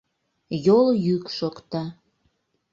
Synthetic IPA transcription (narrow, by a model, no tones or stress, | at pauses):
joljykʃokt̪ɑ